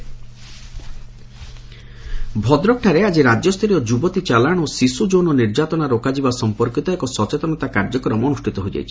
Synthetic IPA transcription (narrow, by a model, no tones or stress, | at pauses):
bʱɔd̪ɾɔk̚ʈʰaɾead͡ʒiɾad͡ʒjɔst̪ʰɾiɔd͡ʒubɔt̪it͡ʃalaɽ̃osisud͡ʒonɔniɾd͡ʒat̪ɔnaɾokad͡ʒibasɔmpɔɾkit̪ɔekɔsɔt͡ʃet̪ɔnɔt̪akaɾd͡ʒɔkɔɾɔmɔnusʈʰit̪ɔɦojd͡ʒa̰jt͡ʃʰi